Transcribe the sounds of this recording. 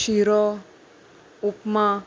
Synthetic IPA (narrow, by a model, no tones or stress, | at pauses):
ʃiɾɔ | upmã